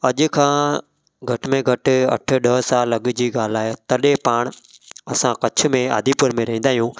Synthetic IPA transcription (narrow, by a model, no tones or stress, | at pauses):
ɐʄʊ̆kʰãː | ɡʱɐʈmẽɡʱɐʈɪ̆ɐ̰ʈʰʊ̆ɗəɦsaːlːɐɠ̆d͡ʑiːɠaːl̤aːɦet̪ɐɗepaːɽ̃ | ɐsãkɐt͡ɕʰʊ̆mẽa̰ːd̪ʱipʊɾmẽɾɐɦĩnd̪aːijũː